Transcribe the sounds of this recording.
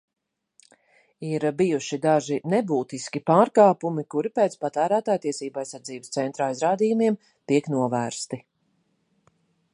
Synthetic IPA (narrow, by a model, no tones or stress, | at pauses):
iɾbijuʃid̪aʒinɛbuːt̪iskʲipaːɾkaːpumikuɾipɛːt̪spat̪æːɾæːt̪aːjt̪iɛsiːbajsaɾd̪ziːbst̪sɛnt̪ɾaːijzɾaːd̪iːjumiɛm | t̪iɛknuɔvæːɾst̪i